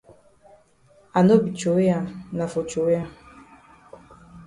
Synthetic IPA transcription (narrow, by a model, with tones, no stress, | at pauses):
a˨no˦bi˨t͡ʃo˨we˦a˨na˨fo˨t͡ʃo˨we˦a˨